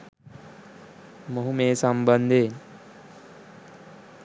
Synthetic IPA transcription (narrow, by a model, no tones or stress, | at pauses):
moɦumeːsɐmbənd̪ʱe